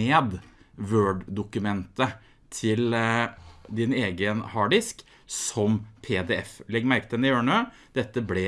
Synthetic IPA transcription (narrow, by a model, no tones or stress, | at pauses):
eːd̪ʋøːɖd̪ʊkʉmɛnt̪ə | t̪ʰɪl | d̪ɪneːɡənhɑːɖɪsk | sɔmpʰeːd̪ɛːɛflɛɡmæɾkət̪ɛnɪøːɳøː | d̪̥ɛt̪ːəblɛ